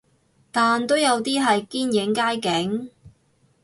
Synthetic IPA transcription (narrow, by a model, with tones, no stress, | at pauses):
t̪aː˨nt̪o˥wjɐ˨˧wt̪iː˥ɦɐ˨jkiː˥njɪ˨˥ŋkaː˥jkɪ˨˥ŋ